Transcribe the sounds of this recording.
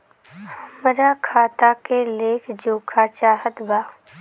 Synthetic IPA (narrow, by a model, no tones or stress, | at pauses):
həmɾakʰaːt̪akeleːkʰd͡ʒoːkʰat͡ʃaːɦət̪ɡaː